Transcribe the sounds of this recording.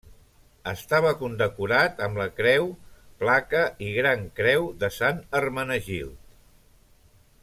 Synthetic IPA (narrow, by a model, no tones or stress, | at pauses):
əst̪aβ̞əkund̪əkuɾat̪əmləkɾɛwplakəʔiɣɾaŋkɾɛwðəsanərmənəʒḭlˠt̪